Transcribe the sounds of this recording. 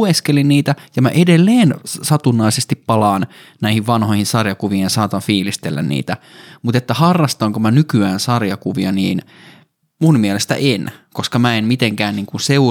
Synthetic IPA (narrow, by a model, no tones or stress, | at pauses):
eskelinniːt̪æjɑmæ̰ʔedelːeːnsɑt̪unːɑisest̪ippɑlɑːn | næihiʋʋɑnhojhinsɑrjɑkuʋijɑnsɑːt̪ɑnfiːlist̪elːæ̰nnḭːt̪æ | mut̪et̪ːæhɑrːɑst̪ɑŋkomænykyæːnsɑrjɑkuʋiɑniːn | munmiɛlest̪æ̰ʔenkoskɑmæenmit̪eŋkæːnniːŋkunseu